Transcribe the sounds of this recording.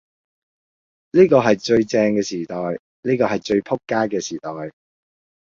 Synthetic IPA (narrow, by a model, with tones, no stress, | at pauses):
niː˥kɔː˧ɦɐ˨jt͡ʃɵ˧ɥt͡sɛː˧ŋkɛː˧siː˨˩t̪ɔː˨˩j | niː˥kɔː˧ɦɐ˨jt͡ʃɵ˧ɥpʰʊ˥kːaː˥kɛː˧siː˨˩t̪ɔː˨˩j